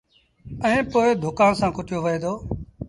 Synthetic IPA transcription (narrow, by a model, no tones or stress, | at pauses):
əẽːpoːeːd̪ʱʊkãːnsãːkʊʈɪjoːʋəeːd̪oː